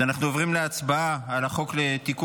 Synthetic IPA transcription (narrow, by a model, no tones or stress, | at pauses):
anaχnuovʁimleat͡sbaaalaχo̞kle̞t̪ik